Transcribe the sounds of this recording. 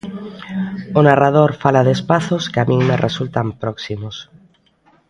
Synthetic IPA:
ʊnarað̞oɾfalaðespaθoskeamĩŋmerʔesult̪ampɾɔksimos

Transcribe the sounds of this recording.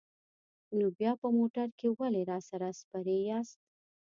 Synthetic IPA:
nobjɑpəmoʈaɾkewaleɾɑsaɾaspaɾejɑst̪̚

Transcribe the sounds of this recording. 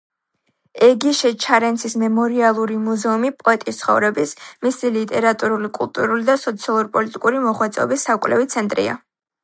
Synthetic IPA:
ɛɡiʃɛt͡ʃʰaɾɛnt̪sʰismɛmɔɾialˠuɾimuzɛumipʼɔɛt̪ʼist̪sʰχɔ̰vɾɛbismisilit̪ʼɛɾat̪ʼuɾulikʼṵlˠt̪ʼuɾulid̪asɔt̪sʰialˠuɾpʼɔlit̪ʼikʼuɾimɔχwɛt̪sʼɛɔ̰bisːakʼwlɛ̰vit̪sʰɛnt̪ʼɾḭa̰

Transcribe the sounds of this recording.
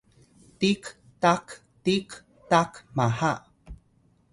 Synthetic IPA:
tik | tak | tik | takmaha

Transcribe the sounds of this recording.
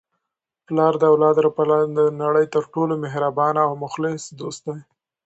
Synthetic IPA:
plɑɾd̪əawlɑd̪ɾapalɑd̪ənaɽəjt̪əɾʈolomɪɦɾabɑnaːwmʊxlɪsd̪ost̪̚d̪aj

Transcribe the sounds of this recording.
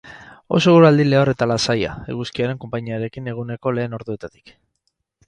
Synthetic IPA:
o̞̰soɣuɾuald̪ile̞ore̞t̪alasaja̰ḛɣuskiaɾe̞ŋko̞mpaɲiaɾe̞kine̞ɣ̞une̞ko̞le̞ːno̞ɾðue̞t̪at̪i̥k

